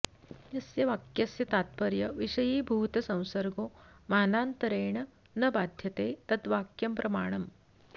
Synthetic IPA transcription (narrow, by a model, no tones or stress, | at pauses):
jɐsjɐʋaːkjɐsjɐt̪aːt̪̚pɐɾjɐʋiʂɐjiːbʱuːt̪ɐsɐ̃w̃sɐɾɡoːmaːnaːnt̪ɐɾeːɳɐ | nɐbaːd̪ʱjɐt̪eːt̪ɐt̪ʋaːkjɐmpɾɐmaːɽ̃ɐm